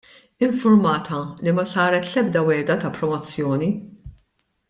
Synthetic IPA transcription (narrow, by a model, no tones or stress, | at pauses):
ɪɱfʊɾmɐːt̪ʰɐlimɐsɐːɾɛt̪lɛbd̪ɐwɛːd̪ɐt̪ɐpɾɔmɔt͡sːjɔːni